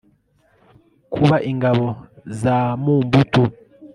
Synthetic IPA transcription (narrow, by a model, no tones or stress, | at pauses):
kʰuβaʔiŋɡaβɔzamumbutu